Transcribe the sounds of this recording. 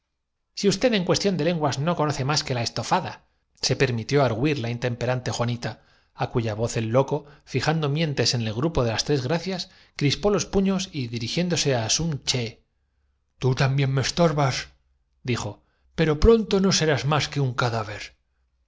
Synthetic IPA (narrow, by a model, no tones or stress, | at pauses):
siust̪e̞ðe̞ŋkwe̞st̪jo̞nd̪e̞le̞ŋɡwazno̞ko̞noθe̞maske̞lae̞st̪o̞faða | se̞pe̞ɾmit̪jo̞aɾɣwiɾlaint̪e̞mpe̞ɾant̪e̞xwanit̪aː | kuʝaβo̞θe̞lːo̞ko̞fixand̪o̞mjẽ̞nt̪e̞se̞nelɣɾupo̞ðe̞last̪ɾe̞zɣɾaθjas | kɾispo̞lo̞spuɲo̞siðiɾixje̞nd̪o̞se̞asunt͡ʃe̞ | t̪ut̪ambje̞nmest̪o̞ɾβas | d̪ixo̞ | pe̞ɾo̞pɾo̞nt̪o̞no̞se̞ɾazmaske̞uŋkaðaβe̞ɾ